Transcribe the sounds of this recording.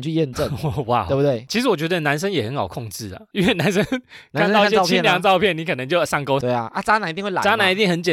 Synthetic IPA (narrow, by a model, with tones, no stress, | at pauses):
t͡ɕʰy˥˧jɛ˥˧nʈ͡ʂə˥˨wa̰˥˩wu˧t̪e˥˩t͡ɕʰi˧˥ʂɻ̩˧˥wɔ˨˩t͡ɕɥɛ˧˥d̪ə˧na˧˦nʂ̬ə˥˦ŋjɛ˨˩hə˧˦nhɑ˨˩ʊkʰɔ˥˧ŋʈ͡ʂɻ̩˥˩lə̰˩y˥wɛ˥˩na˨˦nʂə˦˥nka˧˦n˥˧˩ɛ˥˧t͡ɕʰi˥˨ljɑ˧˦ŋt͡sɑ˥˧ʊpʰjɛ˥˨ni˨˥kʰɤ˨˩nə˧˦ŋt͡ɕjo˥˧ʊsɑ˥˩ŋko˥˦ʊe˥˩a˥˩t͡sa˥na˨˧ni˧t̪i˥˧ŋwla̰˨a˥na˨˧˦ni˧˦t̪i˥˩ŋhə˧˦nt͡ɕjɛ˨˩